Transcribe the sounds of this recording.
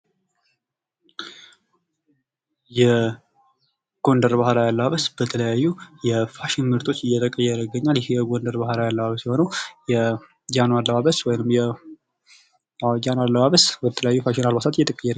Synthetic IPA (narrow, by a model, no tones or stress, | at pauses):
jɛ | ɡ̥o̞ndəɾbahlajalːəβaβəsbət̪ʰələjajːujɛfaʃɪnmɨɾt̪ʰʼo̞t͡ʃːɪjːɛt̪ʰəkʼəjːɛɾəɡəɲːaljɪhjɛɡondəɾbahlajalːəβaβəsjɪho̞nəwjɛ | d͡ʒanalːəβaβəswɔjnɨmjɛ | d͡ʒanalːəβaβəsbət̪ʰələjajːufaʃɪnalbasat̪ɪjːɛt̪ʼəkʼəjːɛɾ